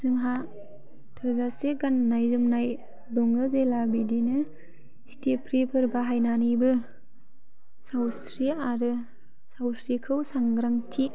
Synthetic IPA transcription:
zɯŋɦa | tʰɯzaseɡanːajzumnaj | dɔŋɡɯzelabidinɯ | stepʰɾepʰɯɾbaɦajnanibɯ | sawsɾiaɾɯ | sawsɾikʰɯwsaŋɡɾaŋtʰi

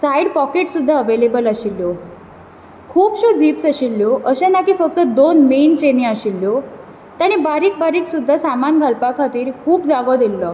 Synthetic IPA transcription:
sajɽpɔkeʈsud̪ʱːaəʋelebəlaɕilːjo | kʰuːpɕod͡ziːpsaɕilːjoʔəɕẽnakiːfək̚t̪əd̪onment͡ɕenĩaɕilːjo | t̪aɽ̃ibaɾiːk̚baɾiːksud̪ʱːasamanɡʱəlpakʰat̪iːɾkʰuːpd͡zaɡɔd̪ʱilːɔ

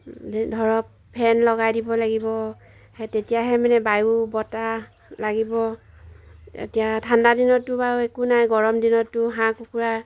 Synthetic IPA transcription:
dʱɔɹɔpʰːɛnlɔɡajdibɔlaɡibɔ | hɛtetijaɦɛmanɛbajubɔta | laɡibɔ | ḛtijatʰandadinɔtʊbaɹuekunajɡɔɹɔmdinɔtːʊɦãkukuɹa

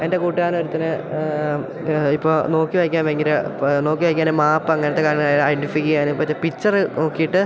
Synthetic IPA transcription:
e̞nde̞kuːʈːiaːno̞ɾut̪ːɐnɨ | ipːoːno̞ːkːiʋɐjkʲːaːnʋeŋɡilɨno̞ːkːiʋɐjk̬ʲːaːnemaːpːɐŋːɐnɐt̪ːekaːɾɐŋːɐɭjɐjɖifikːiaːnɨipːoʋɐt͡ɕːepit͡ɕːɐrɨno̞ːkːijiʈːɨ

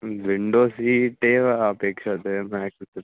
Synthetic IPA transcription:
ʋɪɳɖoːsiʈeːʋaːpeːkɪɾɐðɯmaːkɯt̪ːɯ

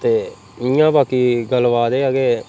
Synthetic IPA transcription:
t̪eː | ijãːbaːkiːɡəlʋaːd̪eːəɡeː

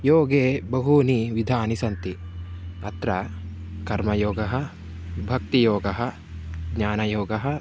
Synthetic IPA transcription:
joːɡeːbɐɦuniʋid̪ʱaːnisɐnt̪i | ɐt̪ɾɐkɐɾmɐjoːɡɐɦɐ̆ | bʱɐk̚t̪ijoːɡɐɦɐ̆ | ɡɲaːnɐjoːɡɐɦɐ̆

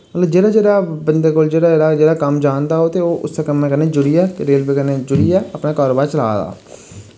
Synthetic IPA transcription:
mət̪ləbd͡ʒeːɽaːd͡ʒeːɽaːbənd̪eːkoːld͡ʒeːɽaːeːɽaːd͡ʒeːɽaːkəmd͡ʒaːnd̪aːɦoːt̪eːoːʔʊ̰sːekəmːɛ̃kəneːd͡ʒʊɽiːɛːkɾeːlbeːkəneːd͡ʒʊɽiːɛːəpnaːkaːɾoːbaːt͡ʃəla̰ːd̪a̰ː

